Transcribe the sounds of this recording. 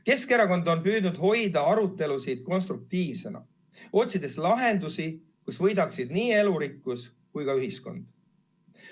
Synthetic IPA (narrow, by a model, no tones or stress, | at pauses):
ke̞skeɾɑko̞nd̪o̞npyːd̪nud̪̥ɦo̞jd̪ɑɑɾut̪ːˑe̞lusid̪̥̚ko̞nst̪ɾuk̚t̪iːvse̞nɑ̰ | o̞t̪ʲsid̪̥e̞slɑɦe̞nd̪usi | kusvɤ̞jd̪ɑksid̪niːe̞luɾikːˑus | kujkɑyɦisko̞̰nd̪̥